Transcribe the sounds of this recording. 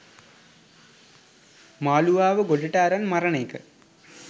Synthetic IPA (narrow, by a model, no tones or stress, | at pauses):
maːluʋaːʋəɡoɭɐʈaːɾɐnmɐɾɐɳeːkə̰